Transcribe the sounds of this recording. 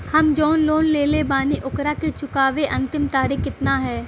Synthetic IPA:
hɐmd͡ʒɔːnloːnleːlebaːniʔʊkɾaket͡ʃʊkaːʋeʔɐ̃nt̪ɪmt̪aːɾɪkɪt̪naɦɛː

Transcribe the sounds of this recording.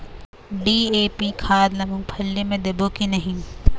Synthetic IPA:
ɖiːeːpikʰaːd̪lɐmũpʰɐlːemẽd̪ebokinɐɦĩ

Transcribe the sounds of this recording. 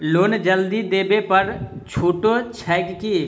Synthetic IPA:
loːnd͡ʒəld̪id̪eːbepəɾt͡ʃʰoːʈot͡ʃʰɛːɡki

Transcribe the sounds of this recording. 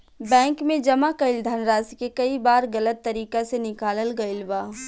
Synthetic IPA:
bɛ̃ːŋkmẽd͡ʒɐmakɐɪld̪ʱaːnɾaːsikekɐibaːɾɣɐlət̪ːɐɾiːkasenɪkaːləlɡɐɪlbaː

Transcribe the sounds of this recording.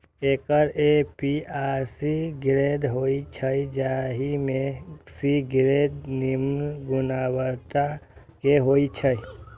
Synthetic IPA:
ekəɾepiaɾsiɡɾed̪ɦoit͡ʃʰəjd͡ʒaɦimesiɡɾed̪nimnɡʊnawəɾt̪a | keɦoit͡ʃʰəj

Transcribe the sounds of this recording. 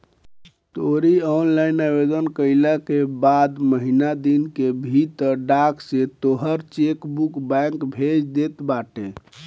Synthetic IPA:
t̪oɾiɔnlainabed̪ənkəɪləkebad̪məɦinad̪inkebʱit̪əɖakset̪oɦəɾt͡ʃekbukbɛŋkbʱed͡ʒd̪et̪baʈe

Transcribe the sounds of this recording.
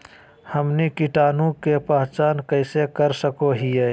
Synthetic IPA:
həmnikiʈaːnũkepaːɦt͡ʃaːnkəɪsekəɾsəkoɦije

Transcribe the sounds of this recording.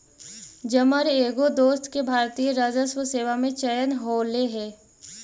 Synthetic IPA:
d͡ʒəməɾeːɡod̪oːst̪kebʱaːɾt̪ijəɾaːd͡ʒəswəseːʋamẽt͡ʃəjənɦoːleɦɛː

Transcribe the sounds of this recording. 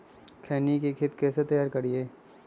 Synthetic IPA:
kʰɛːnikekʰɪt̪kɛːset̪ɐjaːɾkɐɾieː

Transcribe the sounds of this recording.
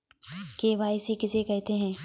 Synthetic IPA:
keʋaːɪsikɪsekɛɦt̪eɦɛ̃ː

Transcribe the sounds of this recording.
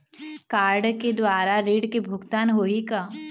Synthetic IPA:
kaːɾɖked̪waːɾaɾeːɖkebʱʊɡt̪aːnɦoːika

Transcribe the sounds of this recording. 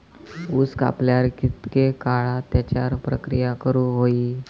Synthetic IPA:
uska̰pljaɾkit̪kekaɭat̪jat͡ɕjaɾpɾə̰kɾijakəɾuːɦoi

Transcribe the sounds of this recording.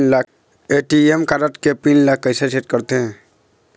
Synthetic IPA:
la | eʈiemkaɾəʈkepinlakːəɪsaseʈkəɾt̪eɦɛ̃

